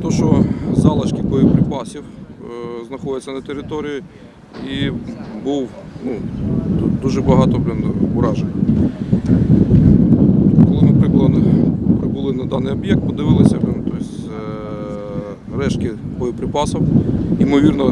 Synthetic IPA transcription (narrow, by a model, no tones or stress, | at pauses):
t̪ɔʃt͡ʃɔzɑlˠɐʃkʲibɔjɪpɾɪpɑsʲiw | znɐxɔd̪ʲɪt͡sʲːɐnɐt̪eɾɪt̪ɔɾʲiji | ibuwnut̪ut̪̚d̪uʒɛbɐɦɑt̪ɔinʊɾɑʒenʲ | kɔlˠɪnɐpɾɪklˠɐd̪ɪbʊlˠɪnɐd̪ɑnɪjɔbjɛk̚t̪̚pɔd̪ɪʋɪlˠɪsʲɐnt̪ɔsʲ | rɛʃkɪ | bɔjʊpɾɪpɑsɔwimɔʋʲirnɔ